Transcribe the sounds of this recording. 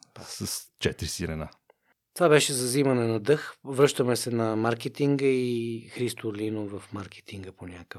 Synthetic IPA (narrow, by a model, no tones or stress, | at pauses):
səst͡ʃɛt̪ɾisiɾɛna | t̪ovabɛʃɛzɐzimɐnɛnɐd̪ɤxvɾɤʃt̪əmɛsɛnɐmaɾkɛt̪iŋɡəixɾist̪olinovɐfmaɾkɛ̥t̪ʰiŋɡəponʲakə